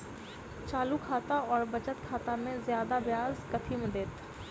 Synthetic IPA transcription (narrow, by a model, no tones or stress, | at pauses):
t͡ʃaːlukʰaːt̪aɔːɾbɐt͡ʃət̪kʰaːt̪amẽzjaːd̪abjaːzkɐt̪ʰimẽd̪eːt̪